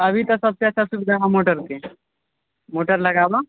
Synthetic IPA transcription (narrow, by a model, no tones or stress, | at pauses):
əʋit̪əsəb̚seasasubɡaʋamoʈəɾt̪e | moʈəɾləɡaʋa